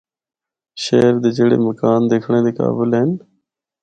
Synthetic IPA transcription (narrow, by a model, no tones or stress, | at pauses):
ʃeːɾd̪eːd͡ʒeːɽḛːməkaːnd̪eːkʰɳẽːd̪eːka̰ːbɪlɪn